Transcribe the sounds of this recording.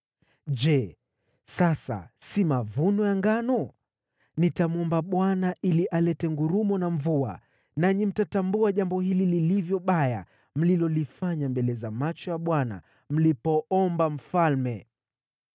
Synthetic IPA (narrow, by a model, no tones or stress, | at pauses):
ʄɛ | sasa̰simavunɔjaŋɡanɔ | nitamuɔmbaɓwanaʔiliʔalɛtɛŋɡuɾumɔnaɱvua̰ | naɲim̩tatambuaʄambɔhilililivjɔɓaja̰ | m̩lilɔlifaɲambɛlɛzamat͡ʃɔjaɓwana̰ | m̩lipɔɔmbam̩falmɛ